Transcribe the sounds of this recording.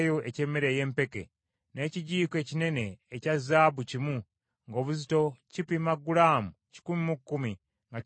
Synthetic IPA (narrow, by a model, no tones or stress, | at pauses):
joʔece̞ːmːeɾe̞ːje̞ːmpe̞ke̞̰ | ne̞ːciɟiːkeːcine̞ne̞ːcazaːβucimu | ŋɡo̞ːβuzito̞cipimaɡulaːmuci̥kumimukːumi | ŋɡa